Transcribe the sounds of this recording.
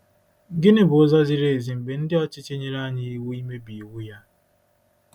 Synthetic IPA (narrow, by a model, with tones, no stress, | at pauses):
ɡɪ˦nɪ˦bʊ˨ʊ˦zɔ˦zɪ˦ɾe˨e˨zi˨m̩˨be˨n̩˦dɪ˦ɔ˦t͡ʃɪ˦t͡ʃe˦ɲe˦ɾa˦ɲɪ˦i˦wu˦i˦me˦bi˨wu˦ja˦